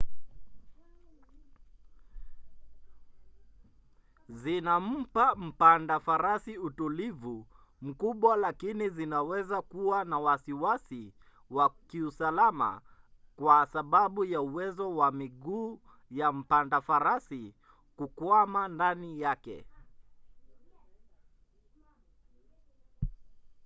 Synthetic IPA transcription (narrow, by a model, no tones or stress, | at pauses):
zinam̩pam̩pandafaɾasiutulivu | m̩kuɓwalakinizinawɛzakuwanawasiwasi | wakiusalama̰kwasaɓaɓujauwɛzɔwamiɠuː | jam̩pandafaɾasi | kukwamandanijakɛ̰